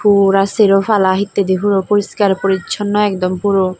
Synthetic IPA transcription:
fuɾaseɾofalaɦit̪ːed̪ifuɾopoɾiskaɾpoɾiɕʰɔnːɔɛkd̪ɔmpuɾo

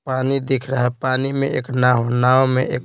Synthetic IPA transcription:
paːnid̪ikʰɾəɦɛpaːnimḛ̃ḛːknaːɦonaːwmẽʔeːk

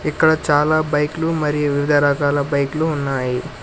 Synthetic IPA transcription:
ikːɐɽɐt͡ʃaːlaːbɐjklumɐɾijuʋiʋid̪ʱɐɾɐkaːlɐbɐjkluːnːaːji

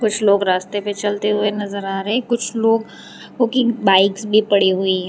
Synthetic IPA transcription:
kʊt͡ʃʰloːɡɾaːst̪epet͡ʃɐlt̪eɦʊenɐzəɾaːɾəɦẽkʊt͡ʃʰloːɡ | koːkibaːɪksbʱipɐɽiɦʊiɦɛ̃ː

